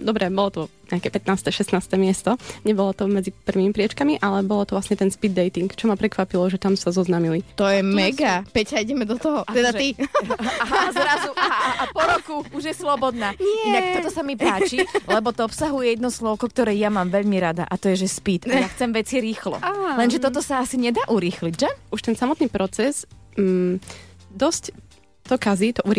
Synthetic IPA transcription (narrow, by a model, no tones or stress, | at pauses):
d̪ɔbɾɛbɔlɔt̪ɔɲɛakɛpɛt̪naːst̪ɛʃɛst̪naːst̪ɛmɪɛst̪ɔɲɛbɔlɔt̪ɔmɛd͡zipr̩ʋiːmipɾɪɛt͡ʃkamiʔalɛbɔlɔt̪ɔʋlasɲɛt̪ɛnspid̪ːɛjt̪iŋkt͡ʃɔmapɾɛkʋapilɔʒɛt̪amsazɔznamilit̪ɔjɛmɛɡapɛcaiɟɛmɛd̪ɔt̪ɔɦɔt̪ɛd̪aiazɾazuaaapɔɾɔkuuʒjɛslɔbɔd̪naːɲɪɛnak̚t̪ɔt̪ɔtsamipaːt͡ʃilɛbɔt̪ɔɔpsaɦujɛjɛd̪nɔslɔʊkɔk̚t̪ɔɾɛːjamaːmʋɛʎmiɾad̪a̰ʔat̪ɔjɛʒɛspit̪aaxt͡sɛmʋɛt͡siɾiːxlɔ̰alɛnʒɛt̪ɔt̪ɔsaasiɲɛd̪aːʔuɾiːxliɟʒɛʔuʃt̪ɛnsamɔt̪niːpɾɔt͡sɛz | d̪ɔsc | t̪ɔkazit̪ɔʔuɾi